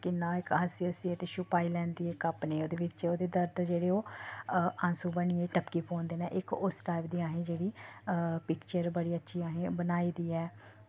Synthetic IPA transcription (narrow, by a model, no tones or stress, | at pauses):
kɪnãːɪkɦəsiəsiːɛːt̪eːʃʊpaːiːlɛ̃ːnd̪iːɛɪkapneːoːd̪eːʋɪt͡ʃoːd̪eːd̪əɾd̪d͡ʒeːɽeːoː | ãnsuːbəniːɛːʈəpkiːpʰoːnd̪eːnɛ̃ːʔɪkʊsʈaːɪpd̪iːaːɦẽːd͡ʒeːɽiːpɪkt͡ʃəɾbəɽiːətːʃʰiːaːɦẽːbənaːiːd̪iːɛː